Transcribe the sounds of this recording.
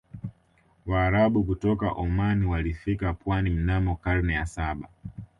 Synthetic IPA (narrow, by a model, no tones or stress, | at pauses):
waːɾaɓukutɔka̰ʔɔmaniwalifikapwanim̩namɔkaɾnɛjasaɓa